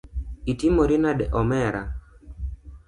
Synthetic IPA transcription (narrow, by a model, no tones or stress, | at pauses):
itimoɾinadɛʔɔmɛɾa